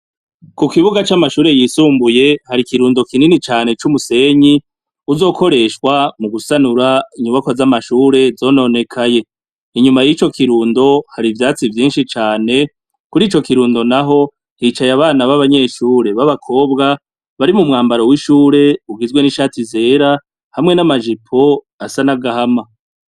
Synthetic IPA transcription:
kukiβuɡat͡ʃamaʃuːɾe̞jisuːmbuje̞haɾikiɾuːndo̞kininit͡ʃaːne̞t͡ʃumuse̞ɲi | uzo̞ːko̞ɾe̞ʃwamuɡusanuɾaiɲuβakozamaʃuːɾe̞zo̞ːno̞ne̞kʰaje̞ | iɲumajit͡ʃo̞kiɾuːndo̞haɾivjaːt͡sivjiːnʃit͡ʃaːne̞ | kuɾiːt͡ʃo̞kiɾuːndo̞naɦo̞ | hit͡ʃajaβaːnaβaβaɲe̞ʃuːɾe̞βaβakʰo̞ːbɡa | βaɾimumŋaːmbaɾo̞wiʃuːɾe̞uɡizɡwe̞niʃaːtize̞ːɾa | hamŋe̞namaʒipʰo̞ | asanaɡahama

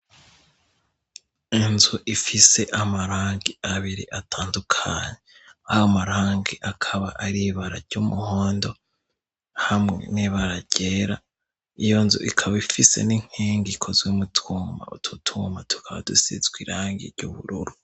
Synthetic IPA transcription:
inzuʔifise̞ʔamaɾaːŋɡiaβiɾḭʔatʰaːndukʰaɲe | aamaɾaːŋɡiʔakʰaβaʔaɾiβaɾaɾɟumuho̞ːndo̞ | hamŋḛniβaɾaɟ̥eːɾa | ijo̞nzṵʔikʰaβaifise̞̰niŋ̥hiːŋɡikʰozwimutʰuːma̰utʰutʰumatʰu̥kʰaβa̰dusḭzɡwiɾaːŋɡḭɾɟṵβṵɾuɾu

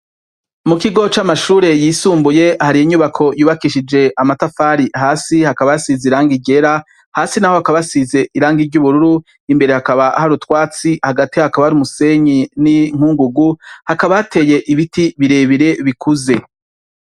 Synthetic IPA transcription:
mukiɡo̞t͡ʃamaʃuːɾe̞jiːsuːmbuje̞haɾijiɲuβakʰo̞juːβakiʃid͡ʒe̞ʔamatafaːɾihaːsihakaβajasizeiɾaːŋɡiɟe̞ɾa | haːsinaho̞hakaβasize̞ʔiɾaːŋɡiɾɟuβuɾuɾu | imbe̞ɾe̞hakaβahaɾutwaːt͡sihaɡatihahakaβahaɾiumuse̞ɲiniŋ̥uːŋɡuɡuhakaβajate̞je̞ʔiβitiβiɾe̞βiɾe̞βikuze̞

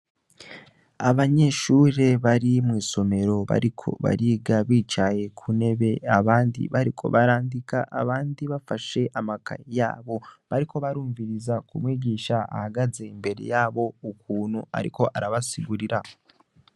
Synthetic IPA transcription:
aβaɲe̞ʃuɾe̞βaɾimwiːso̞me̞ɾo̞βa̰ɾikʰo̞̰βa̰ɾiːɡaβiːt͡ʃaje̞kʰune̞βe̞aβaːndḭβaɾikʰo̞̰βaɾaːndikaʔa̰βaːndiβafaʃe̞ʔamaka̰ja̰ːβo̞βaɾiko̞βaɾuːɱviɾizakumwiːɟiːʃaa̰haɡaze̞imbe̞ɾe̞̰jaːβo̞ukuːnhua̰ɾḭko̞ʔaɾaβasiɡuɾiɾa

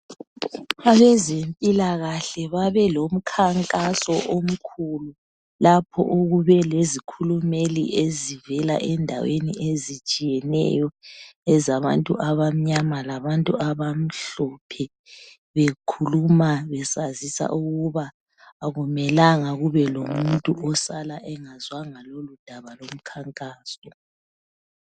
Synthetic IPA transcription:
aβɛzempʼilaɣaɬɛβaβɛlom̩kʰaŋkʼasɔʔom̩kʰulu | lapʰɔ̰ʔoɣuβɛlezikʰulumelḭʔezivɛla̰ʔɛndʱa̰wenḭezit͡ʃʼijɛnɛ̰jɔɛzaβantʼuʔaβam̩ɲamalaβantʼuʔaβam̩ɬɔpʰɛ | βekʰulumaβɛsazisa̰ʔuɣuβaː | ɣumɛlaŋaɣuβɛlomuntʼuʔɔsalaʔɛŋazwaŋalolud̥ʱaβalom̩kʰaŋkʼaːsɔ

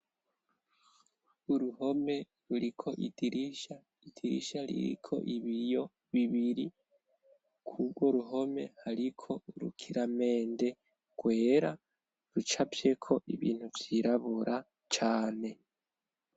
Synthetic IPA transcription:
uɾuɦo̞me̞ | ɾuɾikʰo̞ʔidiɾiʃa | idiɾḭʃaɾḭɾḭkʰo̞̰ʔiβijo̞ | βiβiɾi | kʰuɡɡwo̞ɾuɦo̞me̞̰haɾikʰo̞ɾṵkʰiɾame̞ːnde̞ | ɡ̥we̞ːɾa | ɾut͡ʃapje̞kʰo̞ʔiβḭːn̥huvjiɾaβuɾʔa | t͡ʃaːne̞

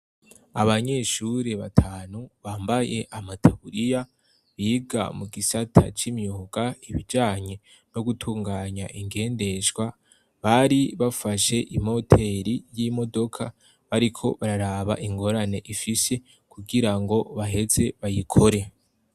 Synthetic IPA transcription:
aβaɲe̞ʃuɾeβatʰaːnuβaːmbaje̞ʔamatʰaβuɾija | βiɡa̰muɡisatʰa̰t͡ʃimjuːɡ̥aiβid͡ʒaːɲe̞ | no̞ɡutʰuːŋɡaːɲaʔiŋɡe̞ːnde̞ʃɡwa | βaɾiβafaʃe̞ʔimo̞tʰe̞ɾijimo̞do̞kʰa | βaɾikʰo̞βaɾaɾaβa̰ʔiŋɡo̞ɾane̞ʔifise̞ | kuɡiɾaŋɡo̞βaɦe̞ze̞βajikʰo̞ɾe̞

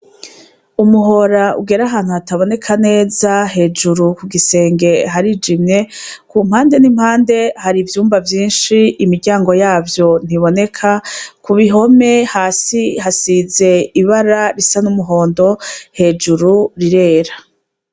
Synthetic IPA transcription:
umuɦo̞ɾaṵɡe̞ɾaɦaːn̥huhataβo̞ne̞kʰane̞ːzaɦe̞ːd͡ʒuɾukuɡise̞ːŋɡe̞ɦaɾid͡ʒimɲe̞kumhaːnde̞nim̥haːnde̞haɾivjuːmvavjiːnʃiimiɾɟaːŋɡo̞jaːvjo̞n̥iβo̞ne̞kʰakuβiɦo̞me̞haːsihasize̞iβaɾaɾisanumuɦo̞ːndo̞he̞d͡ʒuɾuɾiɾe̞ːɾa

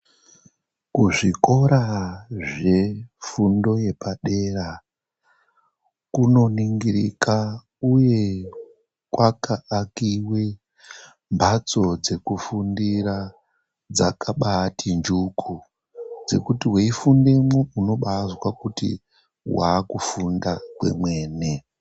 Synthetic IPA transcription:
kuʐiko̞ɾaʐe̞fundo̞je̞paɗe̞ra | kuno̞niŋɡiɾḭka | uje̞ | kwakaːkiwe | mbʱat͡so̞d͡ze̞kufundiɾa | d͡zakaɓatʰind͡ʒukʰu | d͡ze̞̰kutiweifundemeuno̞ɓazwakutḭ | wa̰ːkufundakwe̞̰mwe̞ːne

